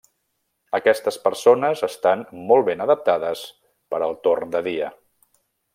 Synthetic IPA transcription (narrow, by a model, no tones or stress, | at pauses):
əkɛst̪əspəɾsonəzəst̪anmɔlˠβenəðəp̚t̪aðəs | pəɾəlˠt̪ornd̪əðiə